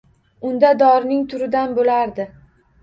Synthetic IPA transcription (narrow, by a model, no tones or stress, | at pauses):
ʊnd̪ad̪ɒɾnɪŋt̪ʰʊɾɪd̪anbolaɾd̪ɪ